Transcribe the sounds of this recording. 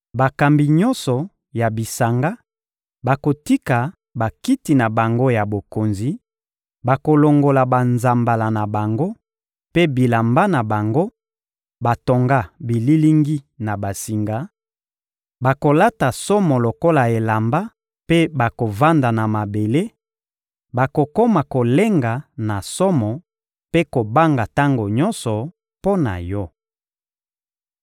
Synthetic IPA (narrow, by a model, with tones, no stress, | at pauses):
ba˨ka˨mbi˨ɲɔ˦nsɔ˨ | ja˨bi˨sa˨ŋɡa˦ | ba˨ko˨ti˦ka˨ | ba˨ki˦ti˨na˨ba˨ŋɡo˦ja˨bo˨ko˨nzi˨ | ba˨ko˨lo˨ŋɡo˨la˨ba˨nza˨mba˨la˨na˨ba˨ŋɡo˦ | pe˦bi˨la˨mba˦na˨ba˨ŋɡo˦ | ba˨to˨ŋɡa˦bi˨li˦li˦ŋɡi˦na˨ba˨si˨ŋɡa˨ | ba˨ko˨la˦ta˨sɔ˦mɔ˨lo˨ko˦la˨e˨la˨mba˦ | pe˦ba˨ko˨va˦nda˨na˨ma˨be˨le˦ | ba˨ko˨ko˦ma˨ko˨le˦ŋɡa˨na˨sɔ˦mɔ˨ | pe˦ko˨ba˦ŋɡa˨ta˦ŋɡo˨ɲɔ˦nsɔ˨ | po˦na̰˨jɔ˦